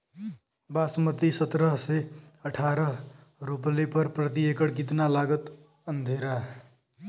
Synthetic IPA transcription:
basmət̪isət̪ɾəɦseəʈʰaɾʌɦ | ɾuplepʌɾpɾət̪iekəɽkit̪nalaɡət̪ | ənd̪ʱeɾa

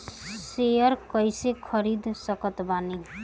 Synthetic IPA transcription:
sejʌɾkʌjsekʰʌɾid̪ʱsʌkʌt̪bani

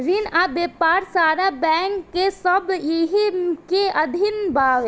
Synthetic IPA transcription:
ɾinabeːpaːɾsaːɾabɛ̃ːŋkːesɐbjeɦikeʔɐd̪ʱɪnbaːɡ

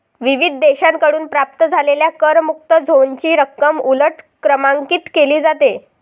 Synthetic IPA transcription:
ʋiʋid̪ʱd̪eɕãŋkəɽuːnpɾap̚t̪əd͡zʱaleljakəɾmuk̚t̪əd͡zʱoɲt͡ɕiːɾəkːəmuləʈ | kɾəmãŋkiːt̪keliːd͡zat̪e

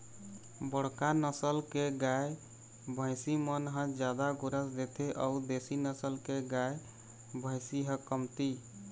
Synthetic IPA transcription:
bəɽkanəsəlkeɡae | bʱə̃ɪsimənɦə̃d͡ʒjad̪aɡoɾəsd̪et̪ʰeʔəud̪esinəsəlkeɡae | bʱə̃ɪsiɦə̃kəmt̪i

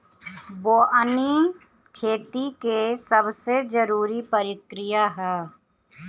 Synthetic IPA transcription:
boːʔəni | kʰeːt̪ikesɐbsed͡ʒəɾuːɾipəɾɪkɾɪjaɦɛː

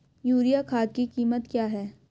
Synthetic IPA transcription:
juːɾijakʰaːd̪kikiːmət̪kjaːɦɛː

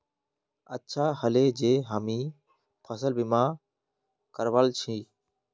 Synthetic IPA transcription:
ətːʃʰaːhəleːd͡ʒeːɦaːmiː | pʰəsəlbimãː | kəɾʋəlt͡ʃʰiː

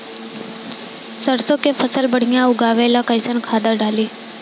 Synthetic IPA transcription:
səɾsõkepʰəsəlbɐɽ̤ijãʊɡaːʋelakəɪsənkʰaːd̪əɖaːliː

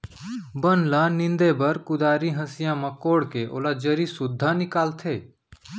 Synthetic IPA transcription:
bənlãːnɪ̃nd̪ebəɾkʊd̪aːɾĩɦəsɪjãːmãkoːɽkeʔo̰ːlad͡ʒəɾisʊd̪ʱːaːnɪkaːlt̪ʰeː

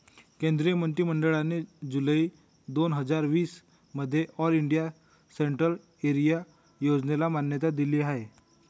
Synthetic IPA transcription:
kẽnd̪ɾijəmənt̪ɾiməɳɖəɭaned͡ʑuləiː | d̪onɦəd͡zaɾʋiːs | məd̪ʱːjeʔɔliɳɖija | seɳʈɾəl | eɾija | jod͡znelamanjət̪ad̪iliːaɦe

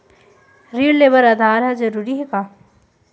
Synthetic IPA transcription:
ɾiəlːeːbəɾɐd̪ʱaːɾɦɐzɐɾuːɾiɦɛkaː

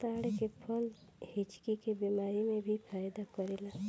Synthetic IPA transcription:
t̪aːɽekepʰɔlhɪt͡ʃkikebiːmaːɾimẽbʱipʰaːjd̪akəɾela

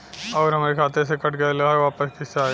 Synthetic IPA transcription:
ɔːɾɦɐmaːɾekʰaːt̪es̬ekɐʈɡɐlɐɦaɾʋaːpəskɪsaː

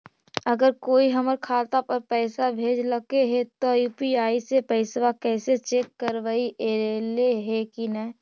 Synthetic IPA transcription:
ɐɡəɾkoːiɦɐməɾkʰaːt̪apɐɾpɛːsabʱeːd͡ʒləkeɦet̪ojuːpiaːisepɛːɪsʋakɛːset͡ʃeːkːəɾʋaiʔeɾeleɦekinə

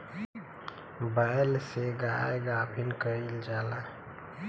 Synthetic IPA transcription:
baːjlseɡaeɡaːbʰʱinkəild͡ʒaːla

